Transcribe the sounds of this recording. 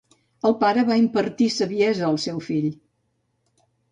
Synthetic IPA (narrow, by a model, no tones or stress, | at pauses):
əlˠpaɾəβaimpəɾt̪isəβiɛzəːlˠsɛwfiʎ